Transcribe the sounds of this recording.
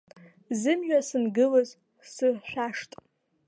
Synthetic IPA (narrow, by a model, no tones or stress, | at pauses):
zɨmʒᶣasɨnɡɨlɨz | sɨħʷᶣaʂtʼ